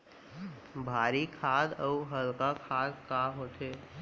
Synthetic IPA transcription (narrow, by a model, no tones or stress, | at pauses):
bʱaːɾikʰaːd̪əɦəlkakʰaːd̪kaːɦoːt̪eː